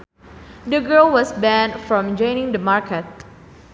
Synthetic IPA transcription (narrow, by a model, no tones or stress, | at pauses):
d̪əɡəlwɔsbɛ̃ndfɹɔ̃md͡ʒɔ̃ɪ̃nɪ̃ŋdəmaɹkət̚